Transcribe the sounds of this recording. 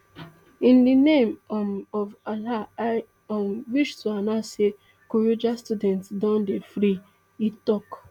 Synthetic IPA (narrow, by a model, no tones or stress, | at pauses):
ĩndinemɔvalaa | mwiʃtuanase | koɾod͡ʒastudɛ̃ntsdɔ̃ndefɾi | itɔk